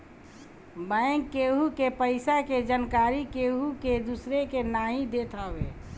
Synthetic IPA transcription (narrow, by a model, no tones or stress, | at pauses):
bəɪŋkːeɦukepəɪsaked͡ʒankaːɾikeɦuked̪usɾekenaːɦid̪et̪ʰaːʋḛ